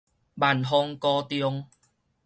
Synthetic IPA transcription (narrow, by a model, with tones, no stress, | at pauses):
ba˨˩nɦɔ˧ŋkɔː˧t̪jɔ˧ŋ